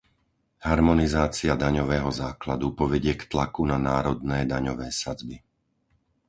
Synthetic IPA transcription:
ɦaɾmɔnizaːt͡siad̪aɲɔʋɛːɦɔzaːklad̪upɔʋɛɟɪɛkt̪lakunanaːɾɔd̪nɛːd̪aɲɔʋɛːsad͡zbi

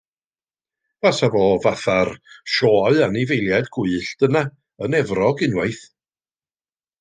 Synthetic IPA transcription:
v̥asavɔːvaθarʃɔːɨanivejlˠjadɡʊɨɬd̥əna | ənɛvrɔɡɪnwajθ

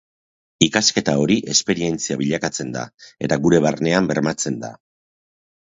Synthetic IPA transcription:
ikaske̞t̪ao̞ɾiʔe̞spe̞ɾie̞nt͡siaβiʎakat͡se̞nd̪a̰e̞t̪aɣuɾe̞βaɾne̞ambe̞ɾmat͡se̞nd̪a̰

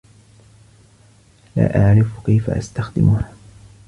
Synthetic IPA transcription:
la̰ːʔaʕɾɪfkajfa̰ʔa̰st̪axd̪ɪmʊha

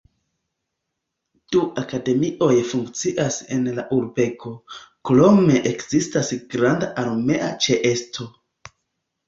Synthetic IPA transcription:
d̥uakade̞miʔo̞jfuŋkt͡siʔase̞nlaʔuɾbe̞kʰo̞klo̞me̞ʔekz̥istasɡɾandaʔaɾme̞ʔat͡ʃeʔe̞stʰo̞

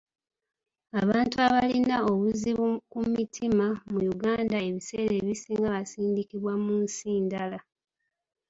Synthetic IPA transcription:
aβaːntuaβalinao̞βuziβkumitʰimamujuɡaːndae̞βise̞ːɾe̞ːβisiːŋɡaβasiːndikiβwamunsiːndala

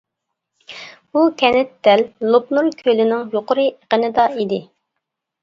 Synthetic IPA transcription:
ukʲʰɛnɪt̪̚d̪ɛllopnuɾkʲʰølɪnɪŋjoqʊɾɨʔəqənɨd̪ɑid̪ɪ

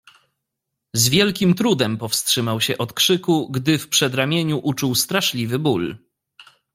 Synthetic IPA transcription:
zvʲjɛlkʲimt̪ɾud̪ɛmpɔfstʂɘmawɕɛʔɔt̪kʂɘkuɡd̪ɘfpʂɛd̪ɾamʲjeɲuʔut͡ʂuwst̪ɾaʂlʲivɘbul

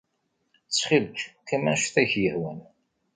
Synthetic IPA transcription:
t͡sːχilkkæmænʃθæʝjəhwən

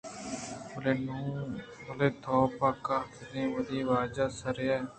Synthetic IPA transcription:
oleːnũːoleːt̪ʰɔːpaːkaːt̪ʰnĩːʋəd̪iːʋaːd͡ʒaːsəɾɪjaːɛː

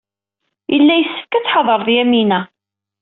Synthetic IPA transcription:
jəlːæjəsːə̥fkæt͡sːħɑðˤəɾˤðjæminæ

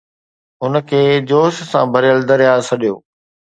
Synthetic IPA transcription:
ʊnəkʰeːd͡ʑoːʃsã̰bʱɐɾjəld̪ɐɾjaːsɐɗijo̰ː

